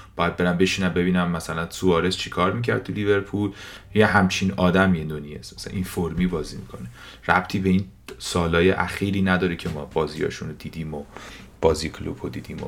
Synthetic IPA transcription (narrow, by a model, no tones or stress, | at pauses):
b̥ɒːjæd̪̚be̞ɾæmbe̞ʃiːnæmbe̞βiːnæmːæsælænsuɒːɾest͡ʃʰikʰɒːɾmicʰæ̰ɾd̪̚t̪ʰulive̞ɾpʰuljeɦæmt͡ʃʰinɒːd̪æmijed̪onjḛsmæsææ̰ʔinfoɾmiːbɒːzḭːmḭkʰo̞ne | ræ̰b̥t̪ʰiːbeiːn | sɒːlɒːjeʔæxiːɾiːnæd̪ɒːɾecʰemɒːb̥ɒːzijɒ̰ːʃunod̪iːd̪iːmo | b̥ɒːzikʰlṵb̥od̪iːd̪iːmo̰